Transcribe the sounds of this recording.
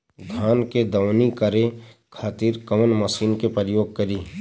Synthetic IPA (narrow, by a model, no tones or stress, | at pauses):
ɡʱaːnked̪ɐʋnikəɾe | kʰaːt̪iːɾkəmənməsiːnkepəɾɪjoːɡ̚kəɾiː